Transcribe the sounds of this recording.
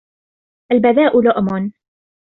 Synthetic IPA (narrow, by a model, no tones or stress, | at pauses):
ʔalbaðaːʔʊlʊʔmʊn